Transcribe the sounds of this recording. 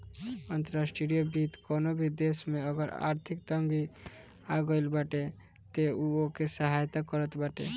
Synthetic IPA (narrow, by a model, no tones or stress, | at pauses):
ənt̪əɾasʈiɾijəbit̪konobʱid̪esmeəɡəɾa̰ɾt̪ʰikt̪əŋɡi | aɡəɪlbaʈe | t̪euokesəɦajt̪akəɾət̪baʈe